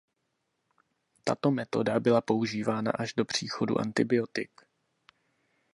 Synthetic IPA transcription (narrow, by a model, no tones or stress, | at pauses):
t̪a̰t̪o̞mɛt̪o̞̰dabɪlapo̞uʒiːvaːna̰ʔaʒdo̞pr̝̥iːxo̞dṵʔa̰nt̪ɪbɪo̞t̪ɪk